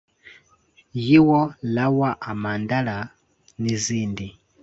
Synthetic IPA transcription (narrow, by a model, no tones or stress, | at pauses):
jiwɔlawaʔamandala | niziːndi